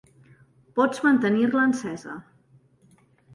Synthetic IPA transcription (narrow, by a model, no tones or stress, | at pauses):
pɔd͡zmənt̪ənirləːnsɛzə̰